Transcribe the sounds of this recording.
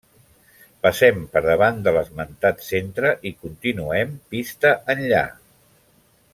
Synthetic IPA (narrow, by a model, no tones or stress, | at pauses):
pəsɛmpəɾðəβand̪ələzmənt̪at̪sent̪ɾəʔikunt̪inuɛmpist̪əʔənʎa̰